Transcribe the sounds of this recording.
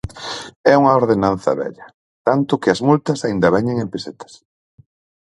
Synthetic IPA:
ɛuŋɐoɾðenãn̟θɐ̰βɛ̰ʎɐ | t̪ant̪ʊkɪɐzmult̪ɐsaind̪ɐβɛɲeŋempeset̪ɐ̥s

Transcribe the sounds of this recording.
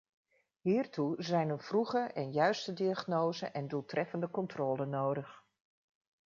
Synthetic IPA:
ɦiːrtuzɛjnənv̥ruχəʔɛnjœɥstədiaχnowzəʔɛndulˠtrɛfəndəkɔntrɔːlənowdəχ

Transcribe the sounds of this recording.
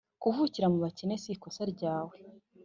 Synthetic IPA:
kuvuciɾamuβacinesiko̞saɾɟaːwe

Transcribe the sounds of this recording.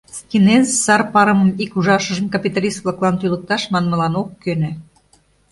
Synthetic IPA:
skʲinenzsɑrpɑɾəməmikuʒɑʃə̆ʒəmkɑpʲit̪ɑlʲist̪̚βlɑklɑnt̪ylə̆k̚t̪ɑʃmɑnmə̆lɑnokːønø

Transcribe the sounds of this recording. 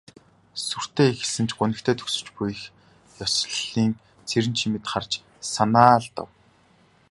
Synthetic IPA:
sur̥t̪eːexɘ̆ɮsɘ̆nt͡ɕʰɢʊnɘ̆kt̪ʰeːt̪ʰɵ̥ksɵ̥̆t͡ɕpujx | jɔsɮɮiːŋ | t͡sʰeɾɘ̆nt͡ɕʰimɘ̆t̪χart͡ɕ | sanaːɮt̪ə̰̆w

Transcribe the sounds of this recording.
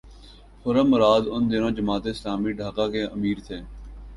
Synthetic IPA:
hʊɾəmːʊɾaːd̪ʊnd̪ɪnõːd͡ʒəmaːt̪eːɪslaːmiːɖʱaːkaːkeːʔəmiːɾt̪ʰeː

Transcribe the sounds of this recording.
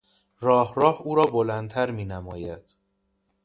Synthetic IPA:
rɒːhɾɒːhuːɾɒːbolænt̪ʰæɾmiːnæmɒ̰ːjæd̪̥

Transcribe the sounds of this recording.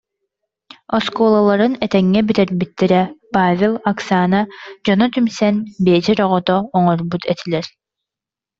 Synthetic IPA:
ɔskɔːlˠalˠaɾɯnɛt̪ɛŋːɛbyt̪ɛɾbit̪ːiɾɛpaːvʲelˠaksaːnad͡ʑɔnɔt̪ymsɛnbeːd͡ʒɛɾɔʁɔt̪ɔːŋɔɾbut̪ʰɛt̪ʰilɛɾ

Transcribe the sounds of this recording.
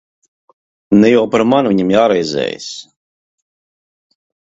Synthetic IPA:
nɛjɔwpaɾmanviɲimjaːɾɛjzɛ̰ːj̰s

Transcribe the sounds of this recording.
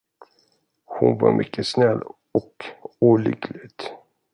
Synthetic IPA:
hʊnvɑːmʔʏkːəsnɛlː | ɔkuːlʏɡlɪt̪

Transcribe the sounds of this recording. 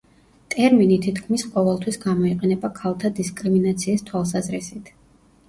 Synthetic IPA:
t̪ʼɛɾminit̪ʰit̪ʰkʰmisqʼɔvɛlˠt̪ʰwisɡamɔiqʼɛnɛbakʰalˠt̪ʰad̪iskʼɾiminat̪sʰiːst̪ʰwalˠsazɾisit̪ʰ

